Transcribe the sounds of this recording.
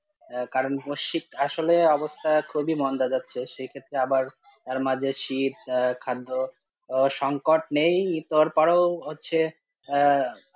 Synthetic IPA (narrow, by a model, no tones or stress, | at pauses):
kaɾonboʃikaʃoleɔbost̪ʰakʰubimɔnd̪ʱad͡ʑatːɕʰeʃejkʰet̪ːɾeabaɾ | t̪aɾmad͡ʑʱeʃit̪̚kʰad̪ːo | ʃɔŋkoʈnejit̪oɾpaɾowɦotːɕʰe